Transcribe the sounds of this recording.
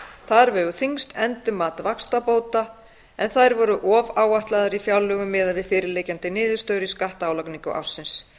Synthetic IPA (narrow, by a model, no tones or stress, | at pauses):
θaðɾvɛɣʏθiŋst̪ʰɛnt̪ʏmːaːt̪vakst̪apoːwt̪a | ɛnθajɾvɔɾʏʔɔːvaːwaht̪laðaɾifjawlːœɣʏmːɪːðaðvɪðfɪːɾɪleːjcant̪ɪnɪːðʏst̪œːɥɾɪskaht̪aːwlakniŋkʏ̰ʔa̰fsːɪns